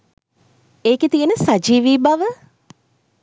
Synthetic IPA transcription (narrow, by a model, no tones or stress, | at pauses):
eːket̪ijənəsad͡ʒiːʋiːbaʋə